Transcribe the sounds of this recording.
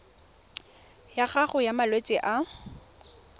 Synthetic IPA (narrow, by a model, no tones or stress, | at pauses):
jaχaχʊjamalwet͡sʼɪʔa